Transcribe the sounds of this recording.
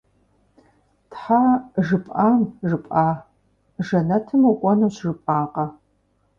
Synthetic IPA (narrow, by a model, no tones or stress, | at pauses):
tħaːʒɨpʼaːmʒɨpʼaː | ʒɐnɐtʰɨmukʷʼɔnuːɕʒɨpʼaːqɐ